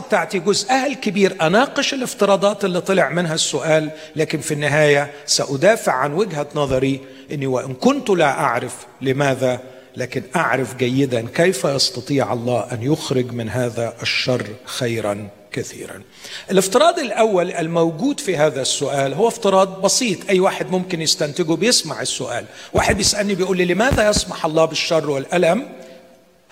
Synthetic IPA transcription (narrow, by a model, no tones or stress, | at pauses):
bt̪aʕt̪iɡʊzʔahlkɪbiːɾʔanɑːqɨʃɪlʔɪft̪ɨɾˤɑːd̪ˤɑːt̪ɪlːiːt̪ˤɑlɪʕmɪnɦasːʊʔaːlː | aːkɪnfinːɪɦaːjasaʔʊd̪aːfɪʕːanwɪɡɦanɑðˤɑɾi | ʔɪnːiwaʔɪnkʊnt̪ʊlaʔaʕɾɪf | lɪmaːða | laːkɪnʔaʕɾafɡajːɪd̪ankejfajɑst̪ɑt̪ˤiːʕɑ̰lˤːɑːʔanjʊxɾɪɡmɪnɦaːðaʔɪʃːɑrˤːxajɾa̰n | kaθḭːɾa̰n | ʔɪlɪft̪ɨɾˤɑːd̪ɪlʔawːalʔɪlmawɡuːd̪fiɦaːðasːʊʔaːlɦʊwːæɪft̪ɨɾˤɑːd̪̚ˤbɑsiːt̪ˤʔajːwaːħɪd̪mʊmkɪnjɪst̪ant̪ɪɡʊbɪjɪsmaʕɪsːʊʔa̰ːlwaːħɪd̪̚bɪjɪsʔælnibɪjʔuːlːilɪmaːðajɑsˤmɑħʔɑlˤːɑːbɪʃːɑrˤːwɪlʔalam